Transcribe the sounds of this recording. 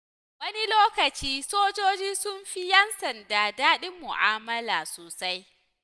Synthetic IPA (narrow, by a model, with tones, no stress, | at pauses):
wɐ˦ni˦loː˦kɐ˨t͡ʃiː˦soː˦d͡ʒoː˦d͡ʒiː˦sʊ˦mɸi˦jɛ˦nsɐ˨ndaː˨daː˦ɗɪ˦mːʊ̰˨ʔa̰ː˦mɐ˦laː˨soː˨sa˦j